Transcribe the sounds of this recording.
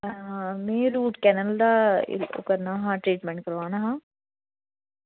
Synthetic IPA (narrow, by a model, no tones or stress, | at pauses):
mẽːɾuːʈkɛːnəld̪aːɪ̰lo̰kɐɾnaːɦãːʈɾiːʈmɛ̃ɳʈ̚kɐɾʋaːnãɦãː